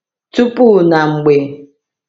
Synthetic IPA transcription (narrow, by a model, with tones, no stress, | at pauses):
tu˦pu˦na˨ŋ͡m̩˨ɡ͡be˨